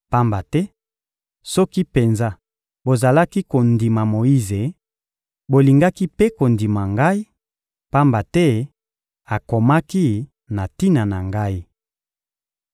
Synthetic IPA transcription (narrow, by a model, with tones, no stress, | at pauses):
pa˦mba˨tɛ˦ | sɔ˦ki˦pe˨nza˦ | bo˨za˨la˦ki˦ko˨ndi˨ma˨mo˨i˦ze˨ | bo˨li˨ŋɡa˦ki˦pe˦ko˨ndi˨ma˨ŋɡa˦i˦ | pa˦mba˨tɛ˦ | a˨ko˨ma˦ki˦ | na˨ti˦na˨na˨ŋɡa˦i˦